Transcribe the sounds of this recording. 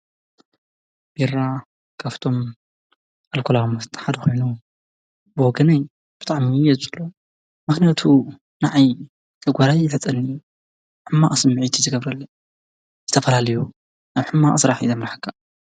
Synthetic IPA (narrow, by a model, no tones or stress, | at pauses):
b̥era | kʰaft̪ʰo̞m | ʔalkʰolamɐst̪ʼħad̪ɐxʰo̞jnu | bɨwɔɡɐnaj | b̥ɨ̥t̪ʼaʕmiɛzslo | mɨxnijat̪ʰu | naʕaj | t̪ʰɐɡʷaɾajːɪħɨt͡sʼɐnːi | ħɨmːaʔsɨmːɨʕit̪ʰizɨɡɐβɾɐlːɐ | zɨt̪ʰɐfɐlalɐju | aβħɨmːaʔsɨɾaħizɐmɾaħkʰːa